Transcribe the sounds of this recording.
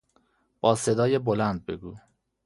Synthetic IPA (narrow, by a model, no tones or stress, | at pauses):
b̥ɒːsed̪ɒːjebolænd̪̚be̞̰ɡuː